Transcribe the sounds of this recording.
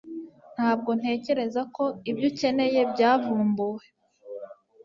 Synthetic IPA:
n̥haːb̚ɡo̞n̥he̞ːce̞ɾe̞zako̞ibɟuce̞ne̞je̞bɟaːvuːmbuwe

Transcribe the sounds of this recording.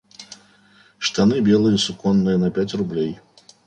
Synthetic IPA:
ʂt̪anɨbʲɛlˠɨjɐsukɔnːɨjɐnɐpʲat͡sʲrublʲej

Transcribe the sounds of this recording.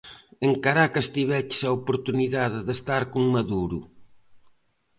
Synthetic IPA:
eŋkaɾakɐst̪iβɛt͡ʃsɐopoɾt̪uniðaðeðest̪aɾkuŋmɐðuɾṵ

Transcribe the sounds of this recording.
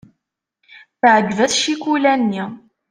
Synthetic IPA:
θʕəɡvæθʃikulænːi

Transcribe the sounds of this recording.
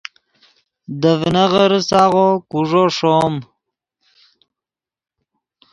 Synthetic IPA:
d̪əvnaʁəɾsaɣokuʐoʂom

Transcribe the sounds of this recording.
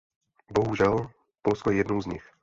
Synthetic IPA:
bɔɦuʒal | pɔlskɔjɛjɛd̪nuʊzɲix

